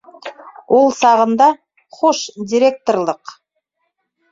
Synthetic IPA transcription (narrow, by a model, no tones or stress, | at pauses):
wʔo̞lˠsɑʁənd̪ɑ | χoʃd̪ʲiɾʲe̞k̚t̪orlˠəq